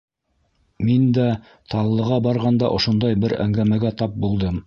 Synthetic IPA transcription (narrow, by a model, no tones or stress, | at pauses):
mind̪æ | t̪ʰɑlˠːɤ̆ʁɑbɑɾʁɑnd̪ɑ̰ʔŏʃŏnd̪ɑjbɘɾæ̰ŋɡæmæɡæt̪ɑp̚bulˠd̪ɤm